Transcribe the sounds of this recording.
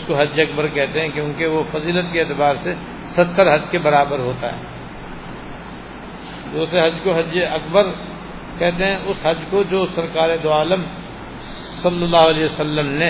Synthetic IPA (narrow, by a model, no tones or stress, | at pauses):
skoɦɐd͡ʒɐkbəɾkɛɦt̪eɦɛ̃kjõːkeʋofɐziːlət̪̚keeːt̪ɪbaːɾse | sɐt̪ːəɾɦɐd͡ʒkebɐɾaːbəɾɦoːt̪a̰ɦɛ̰ː | d̪uːsɾeɦɐd͡ʒkoɦɐd͡ʒɐkbəɾ | kɛɦt̪eɦɛ̃ʔʊsɦɐd͡ʒkod͡ʒoːsɐɾkaːɾed̪oaːləm | sɐlːəlːaːɦʊɐleːʋəsəlːəmne